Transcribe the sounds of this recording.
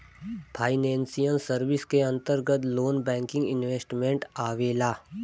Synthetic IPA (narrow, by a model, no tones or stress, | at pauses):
pʰaːɪnɛ̃ːnsijənsəɾʋɪskeɐ̃nt̪əɾɡət̪loːnbɛ̃ːŋkɪ̃ŋɡɪnʋeːsʈmẽɳʈaːʋeːlaː